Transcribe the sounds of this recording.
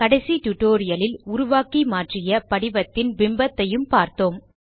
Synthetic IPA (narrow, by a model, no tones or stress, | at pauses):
kɐɽɐɪsit̪ʊʈːoːɾɪjɐlɪlʊɾʊʋaːkimaːʈrɪjɐpɐɽɪʋɐt̪ːɪnbɪmbɐt̪ːɐjɯmpaːɾt̪oːm